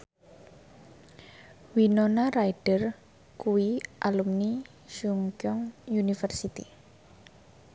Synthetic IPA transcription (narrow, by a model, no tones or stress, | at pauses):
winɔnaɾaiɖ̥ər | kuwiʔalumni | ʃuŋkjɔŋjunifərsit̪ḭ